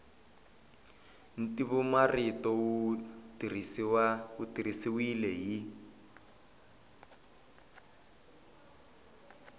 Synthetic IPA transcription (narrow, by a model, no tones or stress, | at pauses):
n̩tiβumaritɔwutirisiwautirisiwilɛɦi